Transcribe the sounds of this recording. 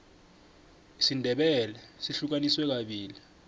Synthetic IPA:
isindʱɛɓɛlɛsiɬuk̬aniswɛk̬aɓiːli

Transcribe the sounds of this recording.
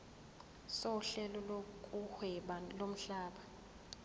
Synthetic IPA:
soɬɛlɔlokʼuhwɛɓalom̩ɬaːɓa

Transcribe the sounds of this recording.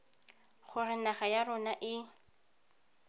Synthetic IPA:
χʊrɪnaχajarʊnaʔɪ

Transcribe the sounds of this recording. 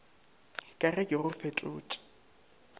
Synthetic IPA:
kʼarɛkʼɪrʊfetʼʊ̰ːt͡ʃʼi̥

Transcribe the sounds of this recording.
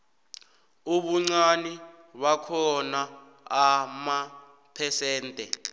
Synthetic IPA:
uɓuŋ͡ǀani | wakʰɔnaː | ma | pʰɛsɛːntʼɛ

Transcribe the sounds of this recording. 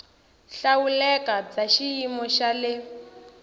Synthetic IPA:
ɬawulɛkat͡saʃijimɔʃalɪ

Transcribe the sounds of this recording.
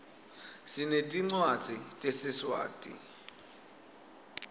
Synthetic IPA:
sinetʼiŋ͡ǀwad̥d͡z̥ʱitʼesɪswa̰ːtʼḭ

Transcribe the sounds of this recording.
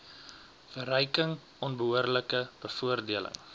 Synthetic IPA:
fəɾəjkəŋ | ʔɔnbəɦuərləkəb̥əfuərdiələ̰ŋ

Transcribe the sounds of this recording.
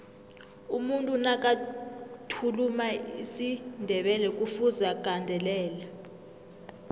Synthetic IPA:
umuntʼunakʼatʰulumaisindʱɛɓɛlɛkʼufuzak̬ʼandʱɛlɛːla

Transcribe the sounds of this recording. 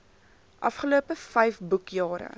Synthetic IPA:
ʔɐfχəluəpəfɛjfbukjɑːɾə̰

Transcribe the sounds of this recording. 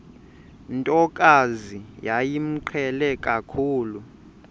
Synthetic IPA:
ntʼɔkʼazijajim̩ǃʰɛlɛkʼakʰuːlu

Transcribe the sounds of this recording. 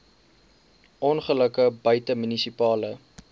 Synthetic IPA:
ʔɔnχələkəbəjtəmynisipɑːlə

